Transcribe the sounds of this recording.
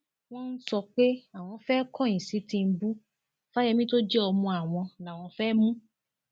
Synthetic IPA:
w̃ɔ̃˦n̩˦sɔ˧k͡pe˦a˨w̃ɔ̃˧fɛ˦kɔ̃˦˨ĩ˨si˨˦tĩ˧n̩˦bu˦ | fa˦jɛ˧mĩ˦to˦d͡ʒɛ˦ɔ˧mũ˧a˨w̃ɔ̃˧la˨w̃ɔ̃˧fɛ˦mũ˦

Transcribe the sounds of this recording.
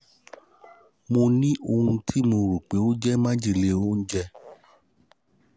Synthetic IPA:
mo˧nĩ˦ʔo˧hũ˧tʰi˦mo˧ɾu˨k͡pe˨˦o˦d͡ʒɛ˦mã˦d͡ʒi˦˨le˧o˦n̩˦d͡ʒɛ˦

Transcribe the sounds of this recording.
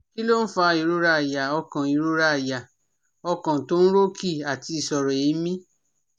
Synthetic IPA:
ki˦lo˦n̩˦fa˧i˨ɾo˧ɾa˧a˨ja˨ɔ˧kã˨i˨ɾo˧ɾa˦˨ja˨ | ɔ˧kã˨to˦ñ̩˦ɾo˦ki˦˨a˨ti˧i˨sɔ˨ɾɔ˨i˨˦mĩ˦

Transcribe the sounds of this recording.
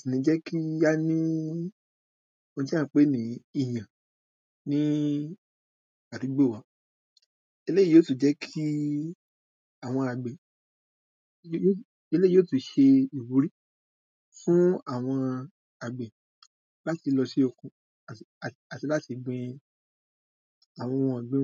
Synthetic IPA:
si˨nĩ˨˦d͡ʒɛ˦kʰi˦ja˦nĩ˦ | õ˧ti˦ã˦˨˦k͡pe˦nĩ˨˦˧i˦˨j̃ã˨ | nĩ˦ | a˨ti˨˧˦ɡ͡bo˦˨wa˨˦ | e˧le˦i˦˨jo˨˦su˦˨d͡ʒɛ˨˦kʰi˦ | a˦˨w̃ɔ̃˧a˨ɡ͡be˨˦˨ | e˧le˦oː˦su˨ʃe˧i˨wu˨˧˦ɾi˦ | fũ˦a˦˨w̃ɔ̃˧ | a˨ɡ͡be˨ | la˦ti˨˧lɔ˧ʃi˦o˧kũ˧ | a˨a˨ti˧˦la˦ti˧ɡ͡bɛ̃˧ | a˨w̃ɔ̃˧˨a˨ɡ͡bẽ˦

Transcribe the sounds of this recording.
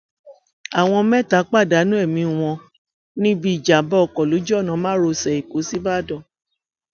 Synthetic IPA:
a˨w̃ɔ̃˧mɛ̃˦˨ta˨˦k͡pa˦˨da˨˦nũ˦ɛ˦˨mĩ˧˦˨w̃ɔ̃˧ | nĩ˦bi˦i˦˨d͡ʒa˨˦bɔ˦ɔ˨kɔ˨lo˨˦d͡ʒɔ˦˨nã˨˧˦mãː˦ɾo˧sɛ˨i˨ko˨˦si˦ba˦˨dɔ̃˦˨

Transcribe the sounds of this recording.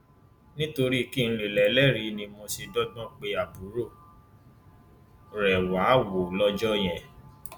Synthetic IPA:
nĩ˦to˧ɾi˦ki˦˨ñ̩˧le˨lɛ˨˦lɛ˦˨ɾi˧˦nĩ˧mo˧si˧dɔ˦ɡ͡bɔ̃˦˨k͡pe˧a˨bu˨˦ɾo˦˨ | ɾɛ˨wa˨˦wo˨lɔ˦d͡ʒɔ˦jɛ̃˦˨

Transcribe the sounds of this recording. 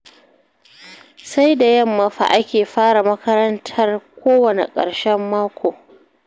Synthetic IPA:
sa˦jda˨jɐ˦mːɐ˨ɸa̰˨ʔa˦kʲeː˨ɸaː˦ɽa˨mɐ˦kɐ˦ɾɐ˦ntʰɐ˦rkʷoː˦wɐ˨nḛ˨kʼɐ̰˨ɽʃɛ˦mːaː˦kʷoː˨

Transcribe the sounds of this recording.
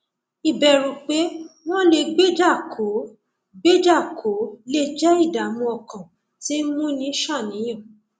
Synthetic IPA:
i˨bɛ˨ɾũ˨k͡pe˨˦w̃ɔ̃˦le˧ɡ͡be˦d͡ʒa˦˨ko˨˦ | ɡ͡be˦d͡ʒa˦˨kʰo˨˦le˦˧˨d͡ʒɛ˦i˦˨da˨mũ˧ɔ˨kã˨ | ti˨˦mũ˦nĩ˨˦ʃã˦˨nĩ˨˦jɔ̃˦˨

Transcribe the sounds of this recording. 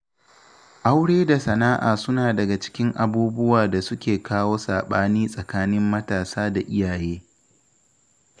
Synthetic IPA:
ʔa˦wɽeː˦da˨sɐ˨naː˦ʔa̰ː˨sʊ˦naː˨dɐ˨ɡa˨t͡ʃɪ̥˦kʲɪ˦ŋʔa˨buː˦bʊ˦waː˨da˨sʊ˦kʲeː˨kʰaː˦woː˦saː˨ɓaː˦niː˦sʼɐ˨kaː˦nɪ˦mːɐ˦taː˨saː˦da˨ʔɪ˦jaː˨jeː˦

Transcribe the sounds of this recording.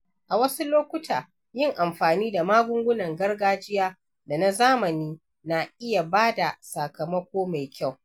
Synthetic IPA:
ʔa˨wɐ˦su˦loː˦kʷʊ˦tʰaː˨ | jɪ˦˨ŋʔa˨mɸaː˨niː˦da˨maː˦ɡʷʊ˦ŋɡʷʊ˦nɐ˨ŋɡɐ˦rɡaː˦d͡ʒɪ˦jaː˦ | da˨na˦zaː˦mɐ˨niː˦ | na˨ʔɪ˦ja˨baː˦da˨sa˨kɐ˨mɐ˦kʷoː˦ma˨jkʲa˦˨w

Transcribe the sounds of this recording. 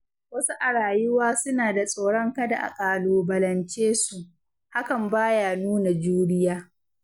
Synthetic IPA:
wɐ˦su˦ʔa˨ɽaː˨jɪ˦waː˦sʊ˦naː˨da˨sʼa˨ɽɔ˦ŋkɐ˦da̰˨ʔa̰˨kʼaː˨loː˨bɐ˨lɐ˨nt͡ʃeː˦su˨ʔ | ha˦kɐ˨mbaː˦jaː˨nuː˦na˨d͡ʒuː˦ɽɪ˦jaː˦

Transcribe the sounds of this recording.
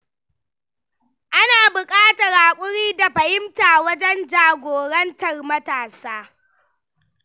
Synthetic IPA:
ʔa˦naː˨bʊ˨kʼaː˦tɐ˨ɾaː˨kʷʼʊ˦ɽiː˦da˨ɸɐ˨hɪ˦mtaː˨wɐ˦d͡ʒɛ˦nd͡ʒaː˨ɡʷoː˨ɽɐ˦ntɐ˨rmɐ˦taː˨saː˦

